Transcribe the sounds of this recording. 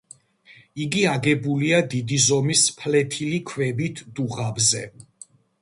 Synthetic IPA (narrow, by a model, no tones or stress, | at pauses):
iɡiaɡɛbuliad̪id̪izɔmispʰlɛt̪ʰilikʰvɛbit̪ʰd̪̥uʁabzɛ